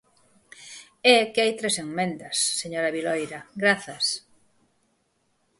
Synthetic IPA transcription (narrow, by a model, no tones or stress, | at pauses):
ɛkɪajt̪ɾeseŋmẽnd̪ɐsːeɲoɾɐβilojɾɐɡɾaθɐs